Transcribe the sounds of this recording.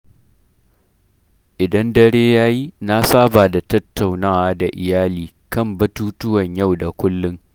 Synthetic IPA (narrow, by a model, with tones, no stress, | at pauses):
ʔɪ˨dɐ˦ndɐ˦ɽeː˦jaː˦ji˦na˦saː˦baː˨da˨tɐ˦tːa˨wnaː˦waː˨da˨ʔɪ˨jaː˦liː˨ | kɐ˦˨mbɐ˦tuː˦tʊ˦wɐ˨ɲja˦˨wda˨kʷʊ˦lːʊ˦ŋ